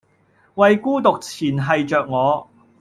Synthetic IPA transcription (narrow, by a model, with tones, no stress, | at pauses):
wɐ˨jkuː˥t̪ʊ˨k̚t͡sʰiː˨˩nɦɐ˨jt͡ʃœː˨k̚ŋɔː˨˧